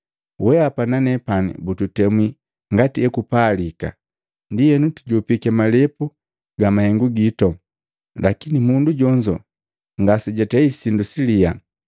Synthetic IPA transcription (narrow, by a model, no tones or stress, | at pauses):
wɛapananɛpanḭbututɛmwi | ŋɡatiɛkupaːlika̰ | ndijɛnutuɟɔpikɛmalɛpu | ɡamahɛŋɡuɡitɔ | lakinimunduɟɔɲd͡ʒɔ̰ | ŋɡasiɟatɛisindusilia